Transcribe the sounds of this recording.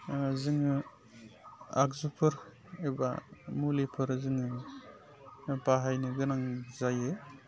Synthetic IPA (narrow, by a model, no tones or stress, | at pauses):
zɯŋɯ | a̰k̚zupʰɯɾ | eba̰mulipʰɯɾzɯŋɯ | baɦajnɯɡɯnaŋzaje